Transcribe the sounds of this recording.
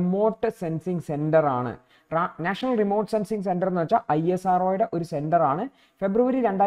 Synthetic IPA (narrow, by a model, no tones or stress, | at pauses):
mo̞ːʈːɨsensiŋse̞ndɐra̰ːɳɨ̰ | ranaːʂɐnɐlrimo̞ːʈːsensiŋɡs̬endɐrnːuʋɐt͡ɕːaʔɐjesaːroːjuɽe̞ʔo̞ɾuse̞ndɐraːɳɨ | fe̞bruʋɐɾiɾe̞ɳɖaː